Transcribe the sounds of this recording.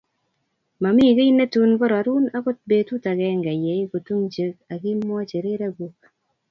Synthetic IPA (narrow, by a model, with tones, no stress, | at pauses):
ma˨mi˦˨ke˦i˦ne˦tu˦nkɔ˦ɾa˨ɾu˦na˦ko˦t̚be˨tu˦ta˨kɛ˦ŋɡa˨jɛ˨˦ɪ˦ko˨tu˦ŋt͡ʃe˨˦ka˨kɪ˦m˦ɔ˦t͡ʃe˨ɾe˦ɾa˦ɡo˦k̚